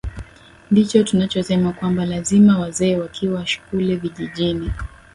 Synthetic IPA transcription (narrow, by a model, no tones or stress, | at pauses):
ndit͡ʃɔtunat͡ʃɔsɛmakwambalazimawazɛːwakʰiwaʃu̥kuliviʄiʄini